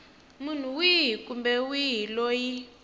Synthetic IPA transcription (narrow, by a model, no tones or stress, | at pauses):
mun̤uwiɦikumbɛwiɦiloji